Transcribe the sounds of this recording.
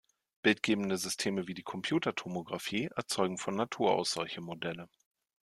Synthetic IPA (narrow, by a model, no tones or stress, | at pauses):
b̥ɪltɡ̥eːbn̩dəzʏstʰeːməviːdiːkʰɔmpʰj̥uːtɐtʰomoɡʁafiːʔɛ̰ɐt͡sɔʏɡŋ̩fɔnːatʰuːɐʔa̰ʊsz̥ɔlçəmodɛlə